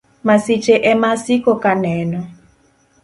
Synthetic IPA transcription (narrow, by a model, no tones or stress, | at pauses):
masɪt͡ʃeʔɛmasikokanɛnɔ